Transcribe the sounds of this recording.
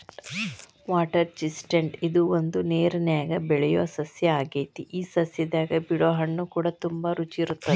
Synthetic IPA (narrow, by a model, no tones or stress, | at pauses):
ʋaːʈɐɾt͡ʃisʈeɳʈid̪uond̪uneːɾɐnjaːɡɐbɛɭɛjo̰ːsɐsjɐaːɡeːt̪iʔiːsɐsjɐd̪aːɡɐbiɽoːɦɐɳːukuːɽɐt̪umbɐɾut͡ʃiiɾut̪ːɐd̪e